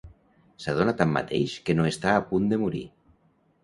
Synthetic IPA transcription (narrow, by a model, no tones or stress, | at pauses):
sað̞onat̪amːa̰t̪ḛjʃkenoest̪aːpund̪emuɾḭ